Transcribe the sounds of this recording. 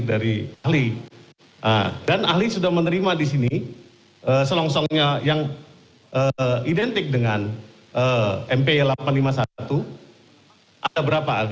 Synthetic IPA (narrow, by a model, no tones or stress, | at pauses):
k̚daɾiaɦli | a̰danahlisudahmənəɾimadisini | əsəlɔŋsɔŋɲajaŋ | ʔəidɛnt̪ɪk̚dəŋan | əɛmpelapanlimasat̪u | ʔadabəɾapaːl